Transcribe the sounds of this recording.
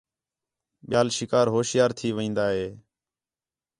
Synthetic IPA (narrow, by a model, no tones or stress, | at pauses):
ɓɪjaːlʃɪkaːɾɦoːʃjaːɾt̪ʰiːʋĩːnd̪aːɦeː